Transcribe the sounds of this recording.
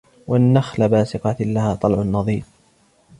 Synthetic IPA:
wanːaxlabaːsɪqɑt̪lahaːt̪ˤɑlʕʊnːɑðˤiːf

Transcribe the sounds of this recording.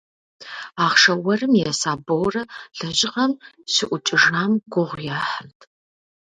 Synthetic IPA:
aːχʂɐwɐrɨmjɛsaːbowrɐɮɐʑɪʁɐm | ɕɪʔʷʊt͡ʃʼɪʐnaːmɡʷʊʁʷjaːħəntʰʼ

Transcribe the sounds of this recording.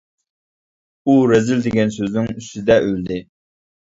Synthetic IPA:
uɾɛzɪld̪ɪɡʲɛnsøznɪŋyst̪ɪd̪ɛʔøld̪ɪ

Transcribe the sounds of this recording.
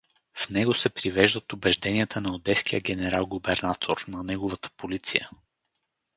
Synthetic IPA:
fnɛɡosɛpɾivɛʒd̪ət̪ʊbɛʒd̪ɛniət̪ʰənɐod̪ɛsk̟ijəɡʲɛnɛɾalˠɡʊbɛɾnat̪ʰoɾnɐnɛɡovɐt̪ə̥polit̪sḭjə̰

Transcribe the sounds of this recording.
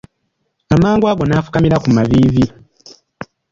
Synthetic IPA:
amaːŋɡwaːɡo̞nafu̥kamiɾakumaβiːvi

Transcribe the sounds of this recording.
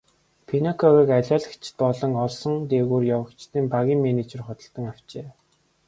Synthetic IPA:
pʰinakʰɔɣiːkaɮʲaːɮə̥̆kt͡ɕʰɪ̥̆t̪̚pɔɮɞ̆ŋɔɮsɞ̆ŋt̪eːɣuːrjawə̆kt͡ɕt̪iːmpaɣʲiːŋmenit͡ɕĕrχʊt̪ə̆ɬt̪ə̆ŋaw̥t͡ɕeː

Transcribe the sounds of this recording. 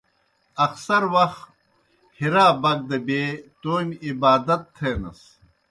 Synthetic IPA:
ɐksɐɾwɐxt̪ | hiɾaːbɐk̚d̪ɐbeːt̪oːmibaːd̪ɐt̪ʰːeːnɐ̰s

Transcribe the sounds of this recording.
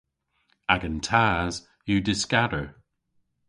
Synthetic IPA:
aɡəntʰaːz̥ | jədɪskadə˞

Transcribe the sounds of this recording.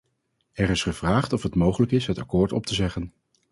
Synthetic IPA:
ɛrɪsχəv̥raːχtɔfɦətmowχələkɪsɦətɑ̰kʊːɹtɔ̰p̚tʰəzɛχən

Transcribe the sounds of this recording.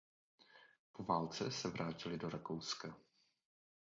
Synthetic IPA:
po̞vaːlt͡sɛsɛvɾʔaːcɪlɪdo̞ɾakowska

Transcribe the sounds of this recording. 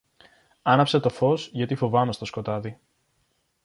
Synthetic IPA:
ɐnɐpse̞t̪o̞fo̞sʝɐt̪ifo̞vɐme̞st̪o̞sko̞t̪ɐði

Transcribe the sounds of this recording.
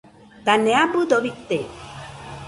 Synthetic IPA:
t̪aneabud̪obit̪ːe

